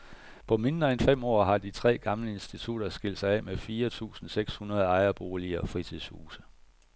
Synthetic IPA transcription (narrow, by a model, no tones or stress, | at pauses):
pʰɒ̽me̝nd̥ʁɐenfem̰ɒ̰ːɦɑ̈d̥it͡sʰʁɛ̰ːɡ̥ɑ̈mləe̝nsd̥it͡sʰud̥ɐsɡ̥el̰d̥sɑ̈ɪɛ̰ːmefiːɐt͡sʰṵːsn̩seɡ̥shunɐð̞ˠɑ̈ɪɐb̥o̝ːliɐfʁit͡sʰið̞̰ˠshuːsə̥